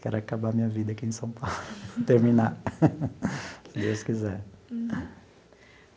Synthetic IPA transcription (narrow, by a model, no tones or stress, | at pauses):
kɛɾʊakabamĩɲɐvid̪ɐakiẽj̃sɐ̃w̃pawlʊt̪eɾminaɾ | sid̪ewskizɛɾ